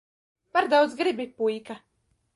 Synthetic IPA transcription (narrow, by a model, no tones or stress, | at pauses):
paɾd̪awd̪zɡɾibʲipujka